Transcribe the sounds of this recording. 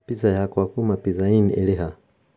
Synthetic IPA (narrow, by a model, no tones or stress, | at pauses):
pizajakwakumapizainiɛlɛɦa